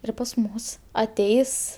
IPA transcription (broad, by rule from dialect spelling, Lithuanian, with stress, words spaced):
ˈɪr pɐs ˈmʊs ɐˈtʲɛɪs